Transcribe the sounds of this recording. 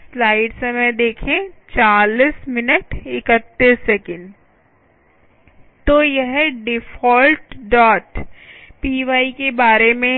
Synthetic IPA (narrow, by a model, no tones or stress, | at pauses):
slaːɪɖsɐməjd̪eːkʰẽt͡ʃaːlismɪnəʈɪkət̪ːəɾseːkə̃ɳɖ | t̪ojɛɦɖɪfɔːlʈɖɔːʈpiːʋaːikebaːɾemẽ